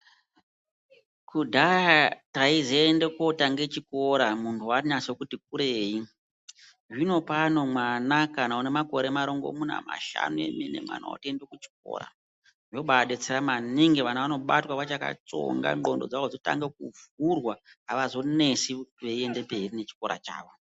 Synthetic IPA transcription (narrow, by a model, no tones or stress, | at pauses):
kudʱaataizeːndeko̞taŋɡe̞t͡ʃiko̞ɾamuntʰuwaɲasekutik̚uɾe̞ːi | ʐino̞pano̞mwanakanaunemako̞ɾe̞maɾo̞ŋɡo̰muna̰ma̰ʃa̰nuḛmine̞̰mwa̰na̰o̰tiendekut͡ʃi̥ko̰ːɾa̰ | joɓaɗet͡seramaniŋɡeʋanaʋano̞ɓatwaʋat͡ʃaka̰t͡so̰ŋɡa̰ŋɡo̞ndo̞̰d͡zaʋod͡zota̰ŋɡek̚uvurwa | ɦaʋazo̞ne̞siʋeie̞nde̞pe̞rine̞t͡ʃi̥ko̞ɾa̰t͡ʃa̰ːʋo